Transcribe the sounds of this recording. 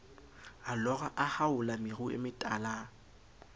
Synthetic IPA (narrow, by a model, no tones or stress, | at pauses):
alɔɣaʔahaʊlamɪruɪ̰mɪtʼaːla